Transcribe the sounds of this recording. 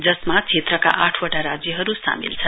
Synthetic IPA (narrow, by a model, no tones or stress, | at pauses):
d͡zʌsmat͡sʰet̪ɾʌka̰ʔaʈʰwʌʈaɾad͡zjʌɦʌɾusa̰mḭlt͡sʰʌ